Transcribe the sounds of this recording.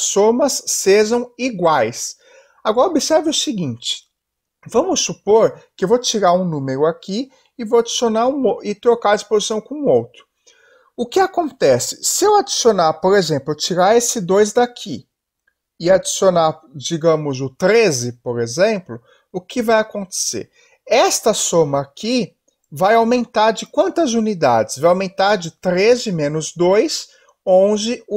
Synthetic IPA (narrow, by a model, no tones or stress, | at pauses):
somɐsːeʒɐ̃w̃iɡwajs | aɡɔɾɐobisɛɾvɪʊsɪɡĩnt͡ʃɪ̥ | vɐ̃mʊsːupoɾkɪewvowt͡ʃiɾaũnũmeɾʊakʰi | ɪvowad͡ʒisionaɾũoɪt̪ɾokaɾɐd͡ʒispozisɐ̃w̃kõũowt̪ɾʊ | ʊkɪakõnt̪ɛsɪ̥sɪewad͡ʒi̥sionaɾpoɾezẽmplʊt͡ʃiɾaɾesɪd̪ojzd̪akʰḭ | ɪad͡ʒisionaɾd͡ʒiɡɐ̃mʊzʊt̪ɾezɪpoɾezẽmplʊ | ʊkɪvajakõnt̪e̥sḛɾ | ɛst̪ɐsõmɐːki | vajawmẽnt̪aɾd͡ʒɪkwɐ̃nt̪ɐzunid̪a̰d͡ʒɪsvajawmẽnt̪aɾd͡ʒɪt̪ɾezɪmẽnʊzd̪ojs | õnd͡ʒɪ